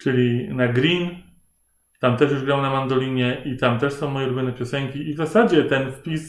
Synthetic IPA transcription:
t͡ʂɘlʲinaɡɾʲin | t̪amt̪ɛʂjuʐɡɾawnamand̪ɔlʲiɲɛʔit̪amt̪ɛʂsɔ̃w̃mɔjɛɾubʲinɛpʲjɔsɛŋkʲiːvzasad͡ʑɛt̪ɛnfpʲis

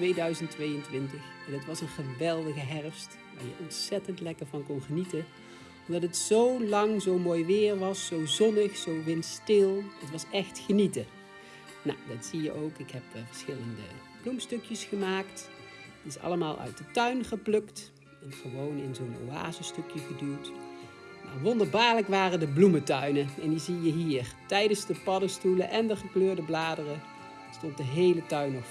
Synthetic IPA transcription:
tʋejdœɥzəntʋejəntʋɪntəχɛnətʋɑsənχəʋɛlˠdəɣəɦɛrəfst | ʋa̰ːɹjəʔɔntsɛtəntlɛkəɹvɑnkɔnχənitə | ɔmdɑtətsowlɑŋzowmoːjʋɪːɹʋɑsːowzɔnəχsowʋɪnstɪlˠətʋɑsɛχtχənitə | na̰wdɑtsijə̰ʔowkɪkɦɛpvəɹsχɪləndə̰ | b̥lumstɵkjəsχəmaːkt | ɪsɑ̰ləmaːlˠʔœ̰ɥt̚dətœɥnχəplɵkt | ɛnχəʋownɪnzono̰wa̰ːzəstøkjəχədylt | ma̰ʋɔndəɹbaːɹləkʋaːrədəblumətœɥnəɛnjəzijəɦiːɹtɛjdənzdəpɑdəstuləʔɛndəχəkløːɹdəblaːdərə | stɔnt̚dəɦejlətœɥnɔf

